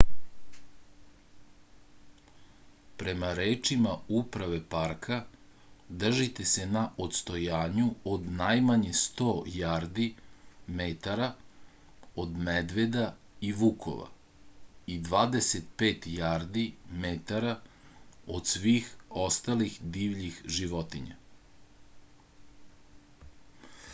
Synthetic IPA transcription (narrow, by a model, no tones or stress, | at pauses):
pɾe̞maɾeːt͡ʃimaupɾaʋe̞paɾkʰa | d̪r̩ʒit̪e̞se̞naʔo̞t̪st̪o̞jaːɲuod̪najmaɲest̪oːjaɾd̪imet̪aɾa | o̞d̪med̪ʋed̪a | iʋukʰo̞̰ʋa̰ | id̪ʋaːd̪eset̪̚pe̞ːt̪jaːɾd̪imet̪aɾa | o̞d̪sʋiːxo̞st̪alixd̪iːʋʎixʒiʋo̞t̪iɲa̰